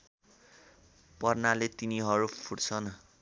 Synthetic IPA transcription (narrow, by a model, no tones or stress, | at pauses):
pʌrnalet̪iniɦʌɾupʰuɽt͡sʰʌn